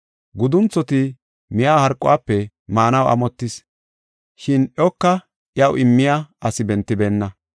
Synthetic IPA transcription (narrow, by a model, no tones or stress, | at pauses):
ɡʊd̪ʊnt͡sːɔt̪ɪ | mɪjaːhɐɾkʼːʊ̰waːpːɛ | maːnɐwɐ̰mɔt̪ːɪs | ʃɪnʔɛɔkːɐ | ʔɪjɐwʔɪmːɪjaːɐsɪbɛnt̪ːɪbeːnːɐ